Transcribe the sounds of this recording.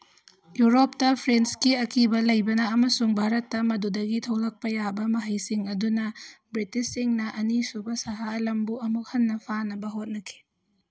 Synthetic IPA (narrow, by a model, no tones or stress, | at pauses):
juɾop̚tɐpʰɾenskiɐkʰibɐlɐjbɐnɐːmɐsuŋbʱaɾɐtːɐmɐdudɐɡitʰɐwlɐk̚pɐjabɐmɐɦɐjsiŋɐdunɐbɾitisːiŋnɐʔɐnisubɐsɐɦaɐlɐmbuɐmuk̚hɐnːɐpʰanɐbɐɦot̚nɐkʰi̥